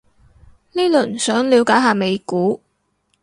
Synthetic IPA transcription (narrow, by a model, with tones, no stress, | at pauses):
niː˥lɵ˨˩n̩˨˩sœː˨˥ŋliː˨˧wkaː˨˥jɦaː˨me˨˧jkuː˨˥